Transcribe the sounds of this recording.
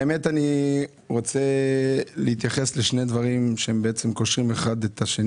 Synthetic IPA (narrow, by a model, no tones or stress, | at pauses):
emetani | ʁo̞t͡selehit̪jaχe̞sleʃne̞d̪vaʁimʃehembeet͡se̞mko̞ʃʁime̞χad̪et̪aʃe